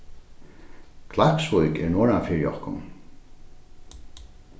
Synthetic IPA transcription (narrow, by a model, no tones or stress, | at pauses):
kʰlahpsvʊðkɛ̰ɹnɔːɹanfɪɹjɔ̰hkʊ̰n